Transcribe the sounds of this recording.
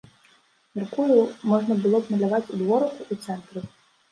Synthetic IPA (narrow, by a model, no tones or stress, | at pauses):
mʲɛrkujumɔʐnɐbɨlˠɔbnɐlʲavat͡sʲud̪vɔɾɐkuʔut̪sɛnt̪ɾɨ